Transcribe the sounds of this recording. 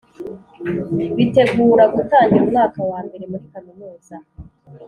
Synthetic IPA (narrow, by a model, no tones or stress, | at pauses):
βite̞ɡuːɾaɡutaːɲɡiɾumŋaːkawaːmbe̞ɾemuɾikanumuːza